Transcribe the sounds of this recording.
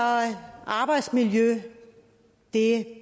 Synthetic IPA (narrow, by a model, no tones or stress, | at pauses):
ʔɑ̈ːb̥ɑ̈ɪd̥smiljø | d̥e